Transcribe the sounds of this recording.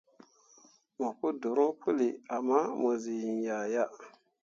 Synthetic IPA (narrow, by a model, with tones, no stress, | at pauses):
mo˨ku˦du˨ɾo˦pʰu˦li˨a˨ma˦mo˨zi˨i˨nja˨ja˦